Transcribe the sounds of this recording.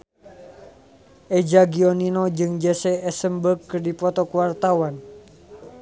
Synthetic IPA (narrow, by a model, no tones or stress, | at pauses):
ʔɛd͡ʒaɡiɔninɔd͡ʒɨŋd͡ʒɛsɛɛsəmbəkːɨrdipɔt̪ɔkuwart̪awan